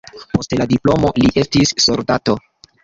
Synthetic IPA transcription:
po̞stladiplo̞mo̞liʔe̞stisːo̞ɾdato̞

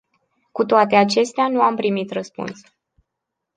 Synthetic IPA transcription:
kut̪oat̪e̞at͡ʃe̞st̪eanuampɾimit̪rəspṵns

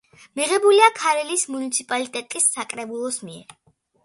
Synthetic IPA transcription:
miʁɛbuliakʰaɾɛlismunit̪sʰipʼalit̪ʼɛt̪ʼisːakʼɾɛbulˠɔsmiɛ̰ɾ

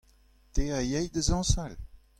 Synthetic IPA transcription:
t̪eajɛjd̪əzɑ̃sal

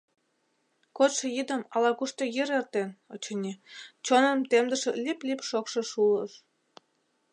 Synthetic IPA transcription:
kot̪ʃɤ̆jid̪ə̆mɑlɑkuʃt̪ɤ̆jiɾert̪enot͡ɕɤ̆nʲet͡ɕonə̆mt̪emd̪ə̆ʃĕlʲiplʲipʃokʃɤ̆ʃuləʃ

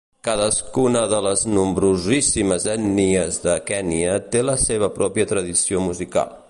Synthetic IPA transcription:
kaðəskunəðələznumbɾuzisiməzɛniəzðəkɛniət̪eləseβ̞əpɾɔpiət̪ɾəðisiomuzika̰lˠ

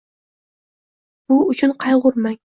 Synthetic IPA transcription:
b̥uut͡ʃʰynqʰɑjʁʊɾmɛŋ

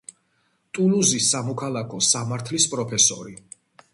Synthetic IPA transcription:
t̪ʼuluzisamɔkʰalˠakʰɔsamaɾt̪ʰlispʼɾɔpʰɛsɔ̰ɾi

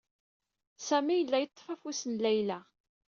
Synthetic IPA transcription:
sæmijəlːæjət̪ˤːfæfusənlæjlæ

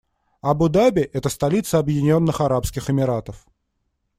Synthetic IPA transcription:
ɐbʊd̪abʲɪʔɛt̪əst̪ɐlʲit̪səɐbjɪdʲɪnʲo̞nːɨxɐɾapskʲɪxɪmʲɪɾat̪əf

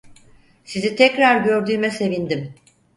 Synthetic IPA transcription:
sizit̪ʰɛcɾaɾɟø̞ɾd̪yːmɛse̞vind̪im

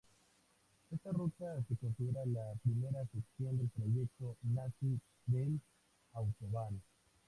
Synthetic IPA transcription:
est̪arut̪asekonsiðeɾalapɾimeɾaseksjond̪elpɾojek̚t̪onasi | bel | awt̪oβano

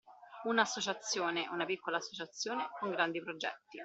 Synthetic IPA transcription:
unaːsːot͡ʃat̪sːjoːneunapikːolaːsːot͡ʃat̪sːjoːnekoŋɡɾand̪ipɾod͡ʒɛ̰t̪ːi

